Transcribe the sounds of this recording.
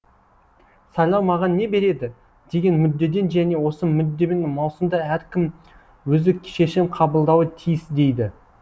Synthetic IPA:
sɑjlˠɑwmɑʁɑnːe̞be̞ɾe̞d̪ɪ | d̪̥e̞ɡʲe̞nmʏd̪ːe̞d̪e̞nʒæne̞wo̞səmʏd̪ːe̞me̞nmɑwsəmd̪ɑæɾkʲɪm | wɵzɪkʲʰʃe̞ʃɪɴqʰɑbəlˠd̪ɑwət̪ʰijɪsd̪e̞jd̪ɪ

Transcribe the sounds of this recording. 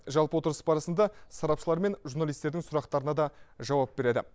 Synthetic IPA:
ʒɑlˠpəwot̪əɾəsəbɑɾɑsənd̪ɑsɑɾɑpʃəlˠɑɾme̞nʒurnɑlˠijst̪e̞ɾd̪ɪŋsʊɾɑqt̪ɑɾənɑd̪ɑʒɑwɑp̚be̞ɾe̞d̪ɪ̰

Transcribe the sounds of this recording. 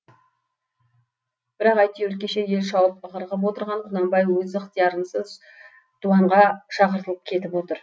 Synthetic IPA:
b̥ɪɾɑqɑjt̪iwɵɾ̚kʲeʃe̞je̞lʃɑwəp̚əʁəɾʁəp̬wo̞t̪əɾʁɑɴqʰʊnɑmbɑjwɵzəqt̪ʰijɑɾənsəz | d̪̥uɑɴʁɑʃɑqəɾt̪əlˠəp̚kʲʰe̞t̪ɪpwo̞t̪əɾ

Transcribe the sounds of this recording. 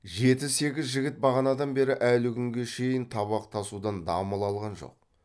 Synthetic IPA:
ʒe̞t̪ɪzse̞ɡʲɪzʒɪɡʲɪt̪̚bɑʁɑnɑd̪ɑnbe̞ɾɪʔælɪkʲʰʏŋɡʲe̞ʃe̞jɪnt̪ʰɑβɑqt̪ʰɑsud̪ɑnd̪ɑ̰məlˠɑlˠʁɑnʒo̞̰q̚

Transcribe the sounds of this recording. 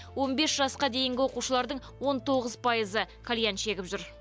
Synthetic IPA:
wo̞nbe̞sʒɑsqɑd̪e̞jɪŋɡʲɪwo̞quʃəlˠɑɾd̪əɴ | wo̞nt̪ʰo̞ʁəzpʰɑjəzəkʰalʲijanʃe̞ɡʲɪpʒʏɾ

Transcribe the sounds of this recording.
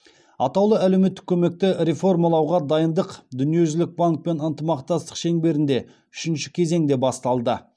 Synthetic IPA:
ɑ̰t̪ɑwlˠəælewme̞t̪ːɪ̥kʲʰɵme̞k̚t̪ɪɾe̞fo̞ɾmalˠɑwʁɑd̪ɑjənd̪əqd̪ʏnije̞ʒʏlɪk̚baŋk̚pe̞nənt̪əmɑqt̪ɑst̪ə̥qʃe̞ŋbe̞ɾɪnd̪e̞ | ʏʃɪnʃɪ̥kʲʰe̞ze̞ŋd̪e̞bɑst̪ɑlˠd̪ə

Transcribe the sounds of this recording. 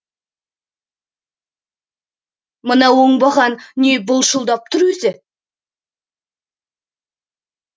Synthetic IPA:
mənɑwoɴbɑʁɑnnːʲebʊlˠʃəlˠd̪ɑp̚t̪ʰʊɾʏzɪ

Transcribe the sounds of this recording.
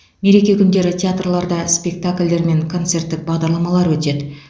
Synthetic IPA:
me̞ɾe̞kʲe̞kʲʰʏnd̪e̞ɾɪt̪ʲʰeat̪rlˠɑɾd̪ɑspʲe̞k̚t̪akʲlʲd̪e̞ɾme̞ŋkʰo̞nt̪se̞rt̪ːɪk̚bɑʁd̪ɑɾlˠɑmɑlˠɑɾwɵt̪e̞d̪ɪ

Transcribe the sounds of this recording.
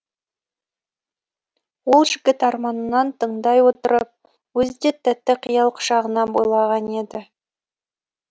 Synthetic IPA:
wo̞lˠʒɪɡʲɪt̪ɑɾmɑnənɑnt̪ʰəɴd̪ɑjwo̞t̪əɾəp̚ | wɵzd̪et̪ʰːæt̪ːɪqʰijɑlˠqʰʊ̥ʃɑʁənɑbojlˠɑʁɑne̞d̪ɪ

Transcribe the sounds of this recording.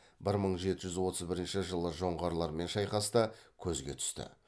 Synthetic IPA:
bɪɾməɴʒe̞t̪ɪʒʏzwo̞t̪ʰəzbɪɾɪnʃɪʒəlˠːəʒo̞ɴʁɑɾlˠɑɾme̞nʃɑjqɑst̪əkʲʰɵzɡʲe̞̰t̪ʰʏ̥st̪ɪ̰

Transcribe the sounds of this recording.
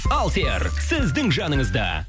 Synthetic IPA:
ɑlˠt̪eɾsɪzd̪ɪŋʒɑnəŋəzd̪ɑ̰

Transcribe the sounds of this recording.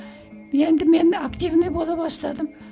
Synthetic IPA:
je̞nd̪ɪme̞nakt̪ivnebo̞lˠɑpbɑst̪ɑd̪əm

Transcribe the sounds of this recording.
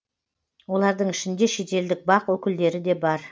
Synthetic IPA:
wo̞lˠɑɾd̪əɴɪʃɪnd̪e̞ʃe̞t̪e̞ld̪ɪk̚bɑqwɵkʲɪld̪e̞ɾɪd̪e̞bɑɾ

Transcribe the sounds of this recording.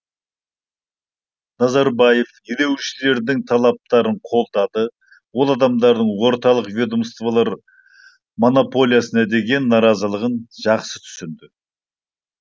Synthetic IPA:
nɑzɑɾbɑjefjed̪e̞wʃɪle̞ɾd̪ɪŋt̪ʰɑlˠɑp̚t̪ɑɾəɴqʰo̞lˠd̪ɑd̪ə | wo̞lˠɑd̪ɑmd̪ɑɾd̪əɴwo̞ɾt̪ɑlˠəqvʲe̞d̪omst̪valˠɑɾ | mo̞nopʰo̞lʲˠijasənɑd̪e̞ɡʲe̞nːɑɾɑzəlˠəʁənʒ̥ɑqsət̪ʰʏ̥sɪnd̪ɪ

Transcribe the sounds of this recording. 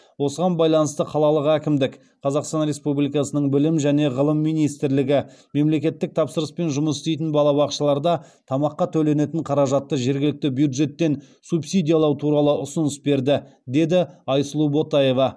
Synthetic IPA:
wo̞səʁɑnbɑjlˠɑnəst̪əqʰɑlˠɑlˠəqækʲɪmd̪ɪk | qʰɑzɑqst̪ɑnɾʲe̞spublijkɑsənəɴbɪlɪmʒæne̞ʁəlˠəmːijnijst̪ɪɾlɪɡʲɪme̞mle̞kʲe̞t̪ːɪk̚t̪ʰɑpsəɾəspe̞nʒʊməsɪst̪ejt̪̬ɪnbɑlˠɑbɑqʃəlˠɑɾd̪ɑ | t̪ʰɑmɑqːɑt̪ʰɵle̞ne̞t̪ɪɴqʰɑɾɑʒɑt̪ːəʒe̞ɾɡʲɪlɪk̚t̪ɪbjud̪ʒe̞t̪ːe̞n | subsʲijd̪ʲijalˠɑwt̪ʰuɾɑlˠəʔʊsʊnəsbe̞ɾd̪ɪd̪e̞d̪ɪɑjslˠubo̞t̪ɑje̞vɑ

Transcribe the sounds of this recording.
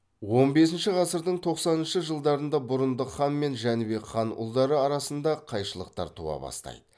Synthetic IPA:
wo̞nbe̞s̬ɪnʃɪʁɑsəɾd̪əɴt̪ʰo̞qsɑnənʃəʒəlˠd̪ɑɾənd̪ɑbʊɾənd̪əχɑnme̞nʒænbe̞kχɑnʊ̰lˠd̪ɑɾəɑɾɑsənd̪ɑqʰɑjʃəlˠəqt̪ɑ̰ɾt̪ʰṵɑ̰bɑ̰st̪ɑ̰jd̪ə

